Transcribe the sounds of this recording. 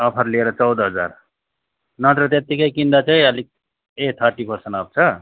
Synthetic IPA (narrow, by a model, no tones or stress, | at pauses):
ʌpʰʌɾlieɾʌt͡sʌwd̪ɦʌd͡za̰ɾ | nʌt̪ɾʌt̪et̪ːikʌjkind̪at͡saĩʌlik̚ | et̪ʰəɾʈipʌɾseɳʈab̚t͡sʰʌ